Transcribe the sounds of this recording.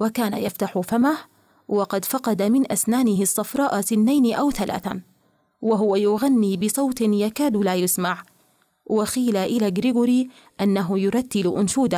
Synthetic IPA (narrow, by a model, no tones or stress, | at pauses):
wakaːna̰jaft̪aħʊfamah | wɑqɑd̪fɑqɑd̪amɪnʔasnaːnɪɦɪsˤːɑfɾˤɑːʔasɪnːajnʔawθalʔa̰ːθa̰ | waɦʊwajʊɣanːibɪsˤɑwt̪ɪnjakaːd̪laːjʊsmaʕ | wɪxiːlaʔɪlaɡɾɪɡʊɾi | ʔanːaɦʊjʊɾˤɑt̪ːɪlʔʊnʃuːd̪a